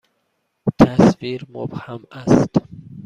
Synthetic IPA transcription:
t̪ʰæsviɾmo̰bhamast̪

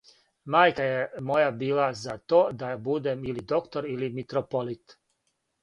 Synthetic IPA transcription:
maːjkajemo̞jabiːlˠazat̪o̞ːd̪abud̪emilid̪o̞kt̪o̞ɾilimit̪ɾopolit̪

